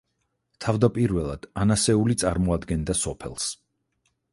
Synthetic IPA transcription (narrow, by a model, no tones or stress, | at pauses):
t̪ʰavd̪apʼiɾvɛlˠa̰d̪̥anasɛulit̪sʼaɾmɔad̪ɡɛnd̪asɔpʰɛ̰lˠs